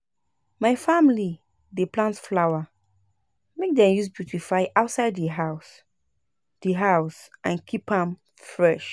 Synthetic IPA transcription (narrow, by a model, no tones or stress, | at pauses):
maɪfamili | depʰlãntflawa | mek̚dɛ̃mjus̬bjutʰifaɪʔaʊtsaɪddiɦaʊs | d̥iɦaʊsãnkʰipãm | fɹɛʃ